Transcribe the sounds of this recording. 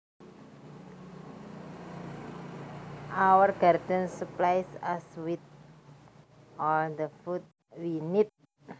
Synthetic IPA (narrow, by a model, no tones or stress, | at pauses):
ʔawərɡard̪ənsuplajsaswɪt̪̚ | ʔɔld̪əfut̪̚ | winit̪̚